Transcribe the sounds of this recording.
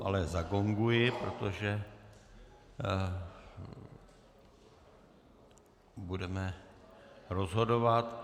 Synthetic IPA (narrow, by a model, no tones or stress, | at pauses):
ʔalɛzaɡo̞ŋɡujɪpɾot̪oʒɛ | budɛmɛ | ɾo̞zɦo̞do̞vat̪